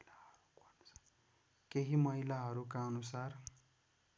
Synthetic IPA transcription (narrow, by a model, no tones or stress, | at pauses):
laʌɾukʌnusḁ | keɦimʌɦilaɦʌɾukaʌnusar